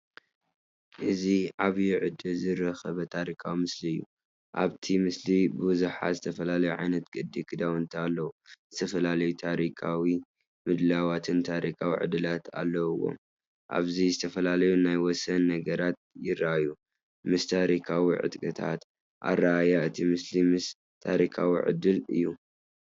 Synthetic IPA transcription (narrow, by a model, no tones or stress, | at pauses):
ʔɨziʕaβjuʕɨd̪ɨlzɨɾɐxɐβɐt̪ʰaɾikʰawimɨsliɨjːu | ʔa̰βt̪ʰimɨslibɨbɨzuħa̰zɨt̪ʰɐfɐlalɐjuʕa̰jnɐt̪ɡɨd̪ːikʰɨd̪awɨnt̪ʰialːɐwuzɨt̪ʰɐfɐlalɐjut̪ʰaɾikʰawi | mɨd̪lawat̪ʰɨnt̪ʰaɾikʰawiʕɨ̰d̪ɨlat̪a̰lːɐwɨwːo̰m | ʔa̰βzizɨt̪ʰɐfɐlalɐjunajwɔsɐnːɐɡɐɾat̪̚jɪɾaju | mɨst̪ʰaɾikʰawiʕɨ̰t̪ʼkʼɨt̪ʰa̰t̪ | ʔa̰raːjaɨt̪ʰimɨslimɨs | t̪ʰaɾikʰawiʕɨ̰d̪ɨlɨ̰jːu